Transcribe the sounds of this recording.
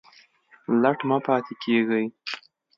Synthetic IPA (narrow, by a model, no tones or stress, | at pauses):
laʈmɑpɑt̪ʰekʰeɡəj